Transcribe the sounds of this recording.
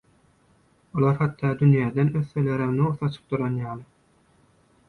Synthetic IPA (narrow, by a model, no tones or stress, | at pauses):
olˠɑɾhɑt̪ːɑːd̪ynjæːd̪enøθːøleɾemneuθɑt͡ʃʰɯ̥p̚d̪uɾɑnjɑːlˠɯ